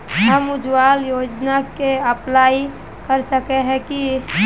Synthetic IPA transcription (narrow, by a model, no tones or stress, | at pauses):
ɦəmʊd͡ʒwaːljoːd͡ʒnakeəplaːi | kəɾsəkeɦɛ̃ki